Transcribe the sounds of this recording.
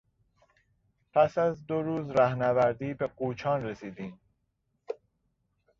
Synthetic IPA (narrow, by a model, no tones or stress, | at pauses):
pʰæsæzd̪oɾuːzɾæhnævæɾd̪iːbeɡuːt͡ʃʰɒːnɾesiːd̪iːm